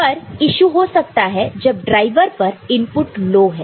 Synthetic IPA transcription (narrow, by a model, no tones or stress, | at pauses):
pɐɾɪʃuɦosɐk̚t̪aɦɛd͡ʒɐb̚ɖɾaːɪʋəɾpɐɾɪmpʊʈloːɦɛː